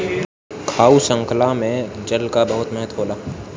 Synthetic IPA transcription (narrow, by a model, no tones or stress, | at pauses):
kʰaːusə̃ŋkʰlamẽd͡ʒəlkabɐɦʊt̪mɛɦət̪ɦoːlaː